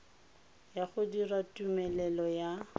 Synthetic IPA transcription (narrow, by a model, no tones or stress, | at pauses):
jaχʊdiratʼumɛlɛlɔja